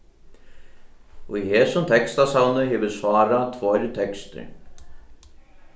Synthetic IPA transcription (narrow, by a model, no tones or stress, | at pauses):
ujhɛːsʊmt̪ʰɛkst̪asawnʏɦɛːvʏsvaːɾat̪ʰvɔjɾt̪ʰɛkst̪ɪ̰ɾ